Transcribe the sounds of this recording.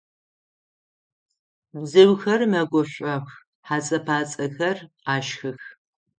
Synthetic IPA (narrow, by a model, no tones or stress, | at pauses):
bzɨwxɐrmɐɡʷɔɕʷʼɐx | ħaːt͡sʼɐpʰaːt͡sʼɐxɐr | aːʃxɨx